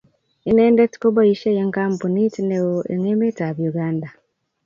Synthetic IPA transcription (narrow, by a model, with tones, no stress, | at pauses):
i˨neː˦nde˦ti̥ko˦ba˦ji˦ʃe˦je˦ŋkaː˦mpu˨ni˦ti˦ne˨woʔe˨ŋeː˦me˦ta˨βju˨ɡaː˦nda˨